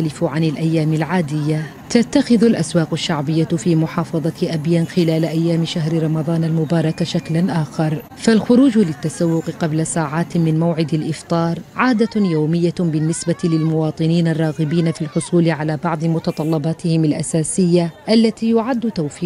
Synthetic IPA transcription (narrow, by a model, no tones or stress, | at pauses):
alɪfʕanɪlʔajːaːmɪlʕaːd̪ɪjːa | t̪at̪ːaxɪðʊlʔaswaːqaʃːaʕbɪjːafiːmʊħɑːfɑðˤɑʔabjanxɪlaːlʔajːaːmʃaɦɾɪɾˤɑmɑðˤɑːnalmʊbɑːɾˤɑkaʃaklanʔaːxɑɾˤ | falxʊɾuːd͡ʒlɪt̪ːasawːʊqqɑblasaːʕaːt̪mɪnmawʕɪd̪ɪlʔɪft̪ˤɑːɾˤʕaːd̪ajowmɪjːabɪnːɪsbat̪lɪlmʊwɑːt̪ˤɨniːnarˤːɑːɣɪbiːnafilħʊsˤuːlʕalaːbɑʕd̪ˤɨmʊt̪ɑt̪ˤɑlːɑbɑːt̪ɪhɪmalʔasaːsɪjːaʔalːat̪iːjʊʕad̪ːʊt̪awfiː